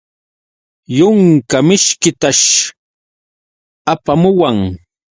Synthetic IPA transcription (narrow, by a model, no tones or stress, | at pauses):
jʊŋkamɪʃkɪt̪aʃ | apamʊwaŋ